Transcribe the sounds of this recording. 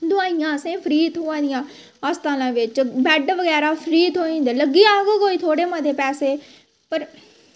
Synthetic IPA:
d̪ʊaːijãːəsẽːpʰəɾiːt̪ɦoːãːd̪ɪjãː | aːst̪aːlãːʋɪt͡ʃbɛɖʋəɡɛːɾaːpʰəɾiːt̪ɦoːĩːd̪aləɡiːaːɡoːkoːiːt̪ʰoːɽeːmãd̪eːpɛːseː | pəɾ

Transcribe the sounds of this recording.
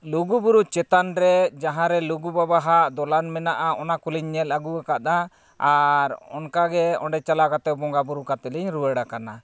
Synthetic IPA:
luɡubuɾut͡ʃɛt̪anɾɛd͡ʒaɦãɾɛluɡubabaɦaʔd̪ɔlanmɛnaʔaɔnakuliɲːɛlaɡuakat̪a | aɾɔ̰nkaɡɛɔ̰̃ɳɖɛt͡ʃalakat̪ɛbɔŋɡabuɾukat̪ɛliɲɾuwɛɽakana

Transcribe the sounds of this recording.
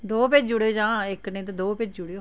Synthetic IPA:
d̪oːpɪd͡ʒd͡ʒʊɽeoːd͡ʒãːɪknẽːt̪ed̪oːpɪd͡ʒd͡ʒʊɽeo

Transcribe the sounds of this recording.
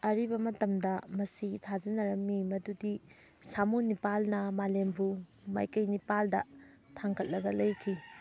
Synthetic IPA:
ɐɾibɐmɐtɐmdɐmɐsitʰad͡ʒɐnɐɾɐmːimɐdudi | samunipalnɐmalembuma̰jkɐjnipaldɐ̰ | tʰaŋkʰɐt̚lɐɡɐlɐjkʰi

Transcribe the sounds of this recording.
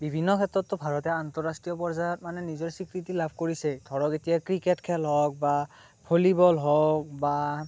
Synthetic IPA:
bibʱinːɔkʰɛtɹɔtːʊbʱaɹɔtɛantɔɹastɹijɔpɔɹzajɔt̚manɛnizɔɹsikɹitilabʱkoɹisɛdʰʱɔɹɔketijakɹiketkʰɛlɦɔk̚ba | pʰolibɔlɦɔk̚ba

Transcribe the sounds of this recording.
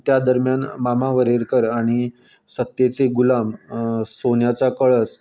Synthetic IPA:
t̪jad̪əɾmjanmamaʋəɾeɾkəɾaɽ̃i | sət̪ːjet͡seɡulamsonjat͡sakəɭəs

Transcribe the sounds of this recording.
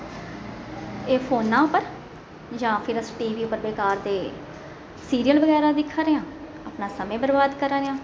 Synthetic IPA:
eːpʰoːnːãːʊpəɾ | d͡ʒãːpʰɪɾəsʈiːʋiːpəɾbeːkaːɾd̪eː | siːɾijəlbəɡɛːɾaːd̪ɪkʰːaːɾeːãː | aːpnaːsəmẽːbəɾbaːd̪kəɾaːɾeãː

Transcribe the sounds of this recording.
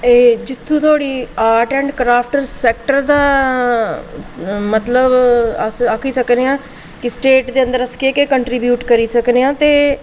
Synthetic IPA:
eːd͡ʒɪt̪ʰːũːt̪ʰoaːɽiːaːɾʈɛ̃ːɳɖkɾaːpʰʈəɾsɛːk̚ʈəɾd̪aː | mət̪ləbəsakʰiːsəkneãː | kɪsʈeːʈd̪eːə̃nd̪əɾəskeːkekəɳʈɾibjuːʈkəɾiːsəkneːãːt̪eː

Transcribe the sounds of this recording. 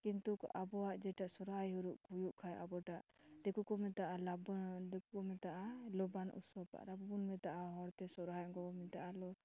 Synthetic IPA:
kint̪uka̰bɔwaʔd͡ʒɛʈaʔsɔɾɦajɦuɾuʔkujuʔkʰajʔabɔʈaʔd̪ɛkukɔmɛt̪aʔalabd̪ɛkukɔmɛt̪aʔalɔbanṵsɔpa̰ʔɾabɔbunmɛt̪aʔaɦɔɾt̪ɛsɔɾɦajɡɔbɔmɛt̪aʔalɔ

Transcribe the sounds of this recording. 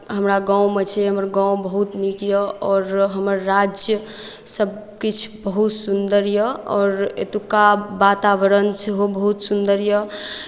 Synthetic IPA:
ɦəmɾaɡãw̃met͡ʃʰɛɦəməɾɡãw̃bəɦut̪nikjəɔːɾɦəməɾːad͡ʒjəsəb̚ | kit͡ʃʰbəɦut̪sund̪əɾjəɔːɾḛt̪ukabat̪aʋəɾənt͡ʃʰeɦobəɦut̪sund̪əɾjə

